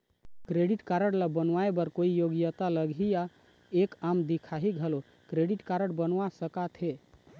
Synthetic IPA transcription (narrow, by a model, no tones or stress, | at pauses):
kɾeɽiʈkaɾəɽlabənwaebəɾkoijoɡjət̪aləɡʱija | ekamd̪ikʰaɦiɡʱəlo | kɾeɖiʈkaɾəɽbənʋasəkat̪ʰɦe